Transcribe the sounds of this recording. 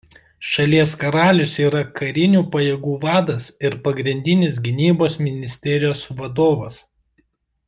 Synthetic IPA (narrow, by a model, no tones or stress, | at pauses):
ʃɐlʲiɛskɐɾɑːlʲʊsiːɾɐkɐɾʲɪnʲuːpɐjeːɡuːʋɑːd̪ɐsɪɾpɐɡɾʲɪnʲd̪ʲɪnʲɪs̬ɡʲɪnʲiːboːsmʲɪnʲɪsʲt̪ʲɛɾʲɪjoːsʋɐd̪oːʋɐs